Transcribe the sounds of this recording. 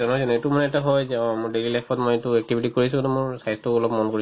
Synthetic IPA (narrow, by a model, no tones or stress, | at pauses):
ɔnɔzɔnetumanɛɛtaɦɔjmʊɹdelilapʰɔtmɔjetuɛk̚tibʱiʈikoɹisũɡɔnumʊɹsajstʊɔlɔpmɔnkoɹi